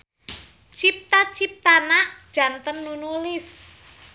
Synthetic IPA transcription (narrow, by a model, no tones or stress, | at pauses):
t͡ʃip̚t̪at͡ʃip̚t̪anaʔd̥ʒ̥a̤nt̪ənːunulɪs